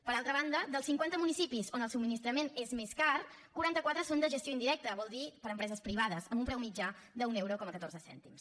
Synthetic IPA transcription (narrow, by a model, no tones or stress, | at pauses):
pəɾalˠt̪ɾəβand̪əd̪əlˠsiŋkwant̪əmunisipizonəlˠsub̚minist̪ɾəmenezmeskar | kuɾant̪əkwat̪ɾəsond̪əʒəst̪joind̪iɾɛk̚t̪əβɔlˠd̪ipəɾəmpɾɛzəspɾiβ̞aðəzəmbumpɾɛwmid͡ʒad̪əunɛwɾokɔməkət̪oɾzəsɛ̰nt̪ims